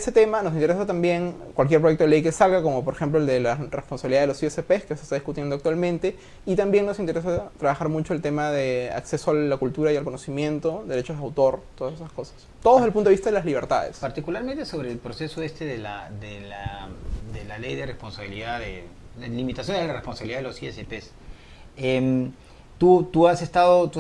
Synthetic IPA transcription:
eset̪e̞manos̬int̪eɾesat̪ambje̞ŋkwalk̬jeɾpɾojektoeejke̞salɣako̞mo̞p̬o̞ɾexe̞mploeld̪elaresponsaβiliðaðelosiesepeskeosest̪aðiskut̪jendoak̚t̪walmẽ̞nt̪e̞ | it̪ambje̞ŋno̞sint̪eɾesat̪ɾaβaxaɾmut͡ʃoe̞lt̪e̞maðea̰kse̞soaakult̪uɾajalko̞nosimje̞nt̪o̞d̪e̞ɾe̞t͡ʃozðeawt̪o̞ɾt̪oðasesasko̞sḁst̪oðelpunt̪oist̪aðelazliβeɾt̪a̰ðḛspaɾt̪ikulaɾmẽnt̪eso̞βɾeːlpɾoseso̞est̪eðela̰d̪elad̪elalejðerespo̞nsaβiliðaðḛlimit̪asjond̪elarespo̞nsaβiliðaðelosiesepes | em | t̪ut̪uasest̪aðot̪u

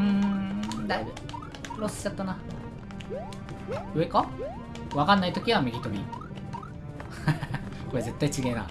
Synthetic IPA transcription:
ɯ̟̃ | d̪aibɯ̟ | ɾosɨ̥t͡ɕat̪ːana | ɯeka | βakanːait̪o̞kʲiβamʲiɡʲit̪o̞ɾʲi | ko̞eze̞t̪ːait͡ɕiɡe̞ːna̰

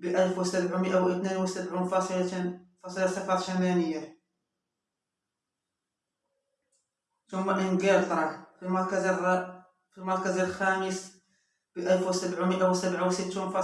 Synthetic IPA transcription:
bəʔælfwsəbʕuməʔawʔət̪ninwəsəbʕunfɑsˤlfɑsˤəlasəfɑt̪ˤʃænænəjːa | t̪ʊmːæʔənɡælt̪ɾˤɑkfimɑˤkzr | fimɑɾˤkəzəlxæməs | b̥əʔælfwəsəbʕaməʔawsəbʕawsət̪ːunfɑ

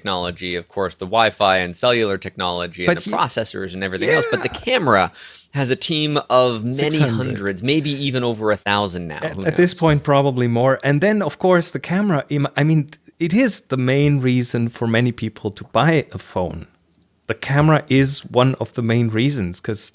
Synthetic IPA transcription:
k̚nɑlˠəd͡ʒiʌv̥kʰɔɹsðəwaɪfaɪɨ̃nsɛlˠjl̩ˠə˞tʰɛk̚nɑlˠəd͡ʒiɨbʌpɹ̥ɑ̰sɛsə̰˞zɨ̃nɛvɹiθɪ̃ŋɛlˠsb̥ʌt̪̚ðɨkʰæmə˞əɨzɨtʰĩmʌvmɛnĩhʌ̃ndɹɨdzmeɪbiivɨ̃ñoʊvə˞ɨθaʊzɨ̃n̩ːa̰ʊɨt̪̚ðɪspʰɔ̃ɪ̃nt̚pʰɹ̥ɑbəblimɔɹʔɨ̃nðɨ̃nʌv̥kʰɔɹsðɨkʰæmə˞əʔɪʔaɪmĩnɪɾɪzðəmẽɪ̃nɹizɨ̃nfə˞mɛnipʰipʰl̩ˠtʰəb̥aɪəfõʊ̃n | ðɨkʰæmə˞ɨʔɪzwʌ̃nʌvðəmẽɪ̃nɹizɨ̃nz̥kʰʌz̥

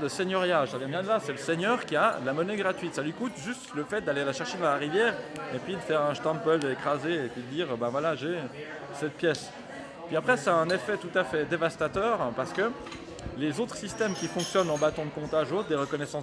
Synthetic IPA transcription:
d̪əseɲɔʁjaʒavjɛ̃bjɛ̃d̪əlasɛləsɛɲœːʁkʲiaəlamɔnɛɡʁat̪ɥit̪salɥikut̪ʒyst̪ləfɛt̪̚d̪alealaʃɛʁʃed̪ɑ̃laʁivjɛːʁepɥid̪əfɛʁɛ̃ʃt̪ɑ̃pœld̪ekχazeːpɥid̪əd̪iːʁbãvwalaʒe | sɛt̪̚pjɛs | pɥiapχɛsɛɛ̃nefɛt̪ut̪afɛd̪evast̪at̪œːʁpaʁsə̥kə | lezot̪χsist̪ɛmkʲifɔ̃ksjɔnɑ̃bat̪ɔ̃d̪əkɔ̃t̪aʒot̪χd̪eʁəkɔnɛsɑ̃

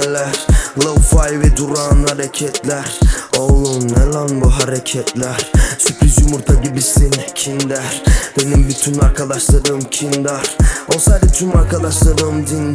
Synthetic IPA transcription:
læɾlˠɯfajvɛd̪uɾanhaɾɛcʰɛt̪ʰlʲæɾolˠunːɛlanbuɦaɾɛcʰɛt̪ʰlʲæɾsypʰizumuɾt̪ʰaɟibisincʰind̪æɾbenimbyt̪ʰynaɾkʰad̪aʃlˠaɾɯmcʰind̪æɾosajd̪it͡ʃ̪ʰymaɾkʰad̪aʃlˠaɾɯmd̪in

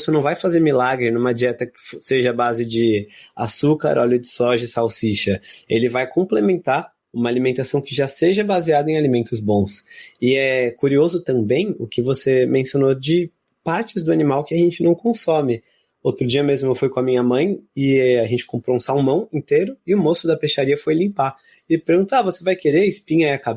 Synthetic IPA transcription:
sʊnɐ̃w̃vajfazeɾmilaɡɾɪnũmɐd͡ʒiɛt̪ɐkɪ̥seʒɐabazɪd͡ʒɪa̰sukɐ̰ɾʔɔlʊd͡ʒɪsɔʒɐsawsiʃɐelɪvajkõplemẽnt̪aɾ | ũmɐalimẽnt̪asɐ̃w̃kɪʒaseʒɐbaziad̪ɐẽalimẽnt̪ʊzbõsɪɛkuɾiozʊt̪ɐ̃mbẽj̃ʊkɪvosemẽsionod͡ʒɪ | paɾt͡ʃɪzd̪ʊanimawkɪaʒẽnt͡ʃɪnɐ̃w̃kõsomɪ | owt̪ɾʊd͡ʒiɐmezmʊewfujkõɐmĩɲɐmɐ̃j̃ɪaʒẽnt͡ʃɪ̥kõmpɾoũsawmɐ̃w̃ĩnt̪eɾʊɪʊmosʊd̪ɐpeʃaɾiɐfojlĩmpa | ɪpeɾɡũt̪oavosevajkeɾeɪspĩɲɐiakab

